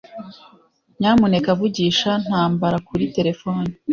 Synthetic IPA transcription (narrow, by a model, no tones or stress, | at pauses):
ɲaːmune̞kavuɟiːʃan̥haːmbaɾakuɾite̞ɾe̞foːni